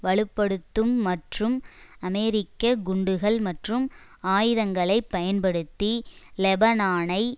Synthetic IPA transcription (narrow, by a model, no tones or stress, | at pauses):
ʋɐɭɯpːɐɽɯt̪ːɯmːɐʈrɯmɐmɛːɾɪkːɐɡʊɳɖɯɣɐɭmɐʈrɯm | aːjɪðɐŋɡɐɭɐɪpːɐjɐnpɐɽɯt̪ːilɛbɐnaːnɐɪ